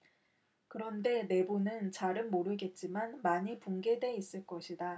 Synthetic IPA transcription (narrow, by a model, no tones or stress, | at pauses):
kɯɾʌnde̞ne̞bunɯnt͡ɕaɾɯnmoɾɯɡe̞t̚t͡ɕ͈imanmaɲipuŋɡe̞dwe̞is͈ɯɭk͈ʌɕʰida